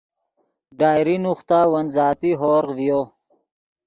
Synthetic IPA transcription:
ɖaːjɾinuxt̪aːwɐnzaːt̪iɦoːɾqvijoː

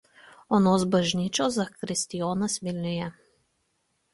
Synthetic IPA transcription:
ɔnoːzbaʒniːt͡ʃɔzakɾist̪ijoːnasʋilnʲujɛ

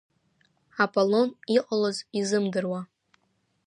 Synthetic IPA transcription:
apʼolo̞niqʼalazizɨmdɨrwa

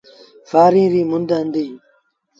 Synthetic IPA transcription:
faːɾĩːɾiːmʊnd̪əɦənd̪iː

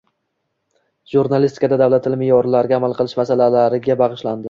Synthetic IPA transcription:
ʒ̥uɾnalist̪ɪ̥kʰad̪ad̪avlat̪ʰːɪlmɪjɒɾlaɾɪɡʲaːmalˠqʰɨlˠɪʃmasalalaɾɪɡʲabɑʁɨʃland̪ɪ

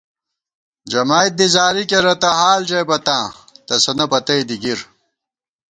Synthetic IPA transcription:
d͡ʑɐmaːjt̪̚d̪izaːɾikeɾɐt̪ɐɦaːld͡ʑejbɐt̪ãːt̪ɐsɐnɐpɐt̪ɐjd̪iɡiɾ

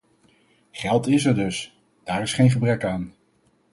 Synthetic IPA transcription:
χɛlˠtɪsɛɹdɵs | d̥aːɹɪsχejnχəbrɛkaːn

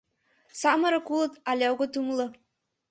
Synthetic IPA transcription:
sɑmɤɾɤ̆kulˠɤ̆t̪ɑlʲɑwɣɤt̪umlˠɤ̆

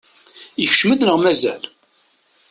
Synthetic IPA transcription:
jəç̥ʃməd̪nəʁmæzæl

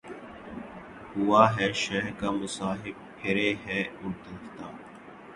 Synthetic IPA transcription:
hʊaːɦɛːʃɛɦɾkaːmʊsaːɦɪb̚kʰɪɾeːɦɛːʊɾd̪ɪft̪aː

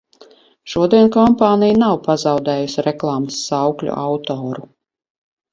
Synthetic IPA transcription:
ʃuɔd̪iɛnkɔmpɑːnʲijnawpazɑwd̪ɛːjusʲiɾɛklˠaːmɨsːawklʲṵʔɑwt̪ɔːɾu

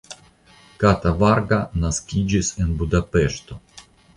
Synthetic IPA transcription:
kat̪avaɾɡanaskʲid͡ʒisenbudape̞ʃt̪o̞

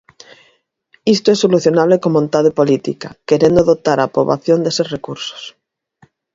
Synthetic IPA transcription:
ist̪oesːoluθjonaβ̞lekomõnt̪aðepolit̪ḭkake̞ɾend̪oðot̪aɾapɾoβ̞a̰θjond̪esesrekuɾso̥s

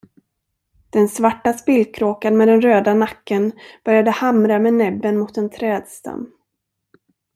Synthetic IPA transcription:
d̪̥ɛnsvaʈːaspɪlkʰɾoːkanmeːd̪ɛnɾøːd̪anakːənb̥œɾjad̪əhamɾamɛnɛbːənmʊt̪ɛnt̪ʰɾɛːd̪st̪ʰa̰mː

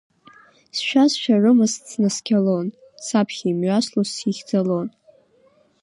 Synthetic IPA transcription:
sʃᶣasʃᶣarɨmɨst͡sʰnɨskʲʰalon | sapʰχʲiːmɥaslosiχʲd͡zalon

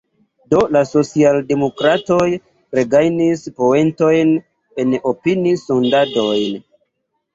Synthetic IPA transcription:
do̞laso̞t͡sialde̞mo̞kɾato̞j | pɾe̞ɡajnispo̞e̞nto̞jn | e̞nopinisondado̞jn

